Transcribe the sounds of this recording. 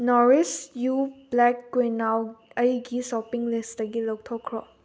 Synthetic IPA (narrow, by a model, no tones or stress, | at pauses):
nɔɾisjublɛkːenawɐjɡisɔpiŋlisdɐɡilɔk̚tʰɔkʰɾɔ